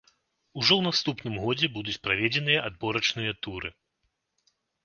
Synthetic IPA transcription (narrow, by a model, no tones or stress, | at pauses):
uʐɔwnast̪upnɨmɣɔd͡zʲɛbud̪ut͡sʲpɾavʲɛd͡zʲɛn̪ɨjɐʔad̪̚bɔɾɐt͡ʂnɨjɐt̪uɾɨ